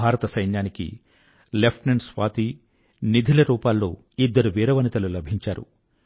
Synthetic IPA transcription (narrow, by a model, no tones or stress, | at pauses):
aːɾɐt̪ɐsɐjnjaːnikḭ | lepʰʈnensʋaːt̪i | nid̪ʱilɐɾuːpaːlːo̰ː | id̪ːɐɾuʋiːɾɐʋɐnit̪ɐlulɐbʱiɲt͡ʃaːɾṵ